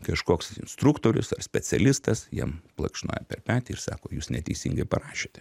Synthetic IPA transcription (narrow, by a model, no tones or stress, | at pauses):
kɐʃkoːksɪnst̪ɾukt̪oːɾʲʊ̰sɐrsʲpʲɛt͡s̪ʲɛlʲɪst̪ɐsjiɛmplˠɐ̰kʃno̰ːjɛpʲɛrpʲæːt̪ʲɪɪɾsɑ̰ːkoːjuːsnʲɛt̪ʲɛɪsʲiŋɡɐɪpɐɾɑːʃʲeːt̪ʲɛ